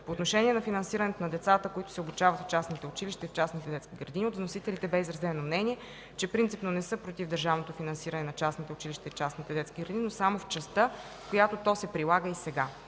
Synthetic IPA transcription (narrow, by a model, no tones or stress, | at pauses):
poːt̪noʃɛnʲiɛnɐfinɐnsiɾənɛt̪onɐd̪ɛt̪sat̪əkoit̪ʊ̥sɛobut͡ʃavɐt̪ft͡ʃasnit̪ɛʊt͡ʃilʲiʃt̪ɐift͡ʃasnit̪ɛd̪ɛt̪sk̟iɡɾɐd̪iniod̪vnosit̪ɛlit̪ɛbɛizɾɐzɛnomnɛniɛ | t͡ʃɛpɾint̪sipnonɛsɤpɾot̪ivd̪əɾʒavnot̪ofinɐnsiɾənɛnɐt͡ʃasnit̪ɛʊt͡ʃiliʃt̪ɐift͡ʃasnit̪ɛd̪ɛt̪skʲiɡɾɐd̪inʲinosamoft͡ʃɐst̪ɤ | fkojat̪ot̪ɔsɛpɾilˠaɡəisɛɡa